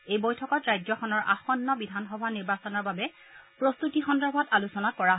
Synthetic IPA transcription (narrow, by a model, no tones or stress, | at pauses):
ejbɔjtʰɔkɔtɹajzɔxɔnɔɹʔa̰xɔnːɔbidʱanxɔbʱaniɹbasɔnɔɹbabɛ | pɹɔst̪utixɔndɔɹbʱɔtalusɔnakɔɹaɦ